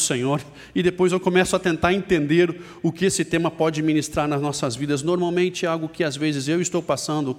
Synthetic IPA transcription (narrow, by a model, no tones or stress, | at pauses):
sẽɲoɾ | ɪd̪epojzewkõmɛsʊɐt̪ẽnt̪aɾẽnt̪ẽnd̪eɾ | ʊkɪesɪt̪ẽmɐpɔd͡ʒɪminist̪ɾaɾnɐznɔsɐzvid̪ɐznoɾmawmẽnt͡ʃɪɛawɡʊkɪazvezɪzewɪst̪owpasɐ̃nd̪ʊ